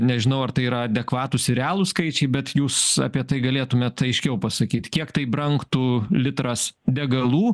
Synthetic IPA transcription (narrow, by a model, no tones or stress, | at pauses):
nʲɛʒʲɪnɐʊɐrt̪ɐɪiːɾɐɐd̪ʲɛkʋɑːt̪usʲɪɾʲæːlˠuskɐɪt͡ʃʲɛɪbʲɛt̪juːsɐ̰pʲiɛt̪ɐɪɡɐlʲeːt̪ʊmʲeːt̪ɐɪʃʲkʲɛʊpɐsɐkʲiːt̪kʲiɛkt̪ɐɪbɾɐŋkt̪ulʲɪt̪ɾɐsd̪ʲɛɡɐlˠuː